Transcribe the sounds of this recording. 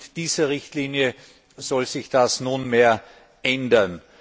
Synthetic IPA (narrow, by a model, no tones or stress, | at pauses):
d̥iːz̥ɐʁɪçtliːnjə | z̥ɔlzɪçd̥asnunmeːɐ | ʔɛndɐn